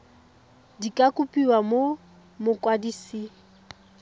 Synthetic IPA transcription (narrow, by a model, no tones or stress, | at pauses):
dikʼakʼupʼiwamo | mʊkʼwadisi